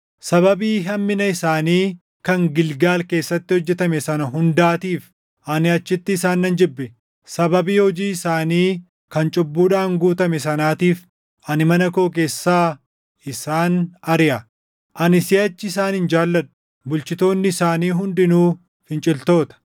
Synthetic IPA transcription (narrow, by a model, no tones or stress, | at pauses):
sɐβɐbiːɦɐmːɪnɐɪsaːniː | kɐŋɡɪlɡaːlke̞ːsːɐt̪ːɪhɔd͡ʒːɛt̪ɐmɛsɐnɐɦʊnd̪aːt̪iːf | ʔɐnɪɐt͡ʃːɪt̪ːɪːsaːnːɐnd͡ʒɪbːɛ | sɐbɐbiːhɔd͡ʒiːɪsaːniː | kɐnt͡ʃʼʊbːuːᶑaːŋɡuːt̪ɐmɛs̬ɐnaːt̪iːf | ʔɐnɪmɐnɐko̞ːk̬e̞ːsːaː | ɪsaːnɐɾɪʔɐ | ʔɐnɪsɪɐt͡ʃːɪɪsaːnhɪnd͡ʒaːlːɐɗʊ̥ | bʊlt͡ʃɪt̪o̞ːnːɪːsaːniːɦʊnd̪ɪnuː | fɪnt͡ʃʼɪlt̪o̞ːt̪ɐ̥